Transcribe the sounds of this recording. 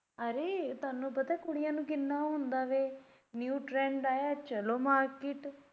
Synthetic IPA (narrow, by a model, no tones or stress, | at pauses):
əɾeːt̪ʊaːnːũːpət̪aːkʊɽɪjãːnũːkɪnːaːɦʊ̃nd̪aːʋeː | njuːʈɾɛ̃ːɳɖaːjaːt͡ʃəloːmaːɾkɪʈ